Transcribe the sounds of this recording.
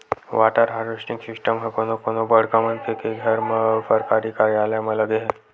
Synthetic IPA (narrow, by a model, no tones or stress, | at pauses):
ʋaʈaɾɦaɾusʈiŋksisʈəmɦəkonokonobəɽkamənt̪ekeɡʱəɾməfəɾkaɾikaɾialjaməlaɡeɦe